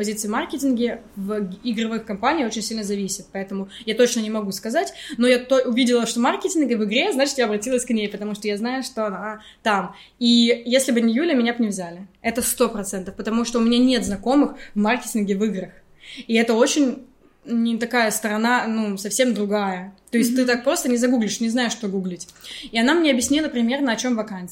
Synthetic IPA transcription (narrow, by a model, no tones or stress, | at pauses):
pɐzʲit̪sɨɪmarkʲɪtʲɪnɡʲɪvʲɪɡɾɐvɨxkɐmpanʲiːo̞t͡ɕɪnʲsʲilʲnəzɐvʲisʲɪt̪̚pɐɛt̪əmʊjat̪o̞t͡ɕnənʲɪmɐɡuskɐzatʲno̞jat̪oʔʊvʲidʲɪlˠəʂt̪omarkʲɪtʲɪnɡʲəvɨɡɾʲe̞znat͡ɕɪt̪jaɐbɾɐtʲilˠəsʲknʲejpət̪ɐmuʂt̪ojaznajʊʂt̪oɐna | t̪am | ijesʲlʲɪbɨnʲɪjulʲəmʲɪnʲapnʲɪvzʲalʲɪɛt̪əst̪o̞pɾɐt̪sɛnt̪əfpət̪ɐmuʂt̪oʊmʲɪnʲanʲe̞t̪znɐko̞mɨxvmarkʲɪtʲɪnɡʲɪvɨɡɾəx | iɛt̪əo̞t͡ɕɪnʲ | nʲɪt̪ɐkajəst̪əɾɐnanusɐfsʲe̞md̪ɾʊɡajət̪o̞ɪsʲt̪̚ʲɨt̪ak̚pɾo̞st̪ənʲɪzɐɡuɡlʲɪʂnʲɪznajɪʂːt̪o̞ɡuɡlʲɪtʲiɐnamnʲeɐbjɪsʲnʲilˠəpɾʲɪmʲe̞rnəɐt͡ɕo̞mvɐkant̪s